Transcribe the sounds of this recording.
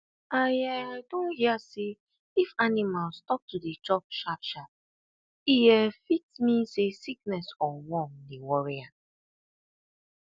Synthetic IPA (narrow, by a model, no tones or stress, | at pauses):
ajaadõnhiase | ifanimalstɔp̚tudet͡ʃɔp̚ʃapʃap̚ | ijɛfitmisesik̚nɛsɔ̃nwɔ̃mdewɔɹia